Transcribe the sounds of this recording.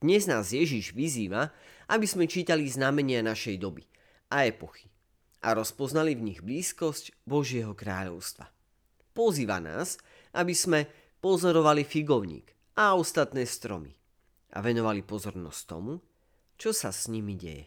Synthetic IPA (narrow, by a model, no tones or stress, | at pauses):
d̥̪ɲɛznaːzjɛʒiʒʋiziːʋaʔabizmɛt͡ʃiːt̪aliznamɛɲɪanaʃɛjd̪ɔbḭ | aɛpɔxi̥ | ʔa̰ɾɔspɔznalivɲiɣbliːskɔscbɔʒɪɛɦɔkɾaːʎɔ̰ʊst̪ʋa̰ | pɔziːʋa̰na̰ːs | ʔabizmɛ | pɔzɔɾɔʋalifiɡɔʊɲḭːɡ | aɔst̪at̪nɛːst̪ɾɔ̰mḭ | ʔa̰ʋɛnɔʋalipɔzɔɾnɔ̰sct̪ɔ̰mu | t͡ʃɔsasɲimiɟɛ̰jɛ̰